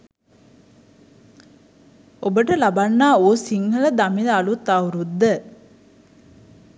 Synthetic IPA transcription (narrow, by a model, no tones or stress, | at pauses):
obəʈəlabanːaːoːsiŋɦələd̪amiləalut̪ːawuɾud̪ːə